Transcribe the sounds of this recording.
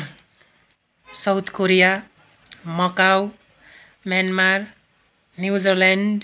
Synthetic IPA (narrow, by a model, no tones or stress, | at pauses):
sawt̪ʰkoɾija | mʌkaw | mjanmar | njud͡zʌrlaɳɖ